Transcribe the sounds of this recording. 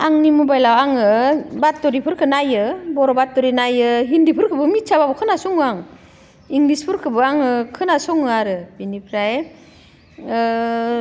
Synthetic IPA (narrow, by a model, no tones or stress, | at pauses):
aŋnimubajlawaŋɯbatːɔɾipʰɯɾkʰɯnajɯbɔɾɔbat̚ːɔɾinajɯɦindipʰɯɾkʰɯbɯmit͡ʃʰababɔkʰɯnasɔŋaŋ | iŋlispʰɯɾkʰɯbɯaŋɯkʰɯnasɔŋɯaɾɯb̥inipʰɾaj